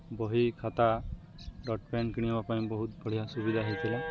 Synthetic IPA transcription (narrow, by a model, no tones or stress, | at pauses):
bɔɦikʰat̪a | ɖɔʈpenkiɽ̃ibapaĩbɔɦut̪̚bɔɭ̤ijasubid̪ʱaɦet̪ʰila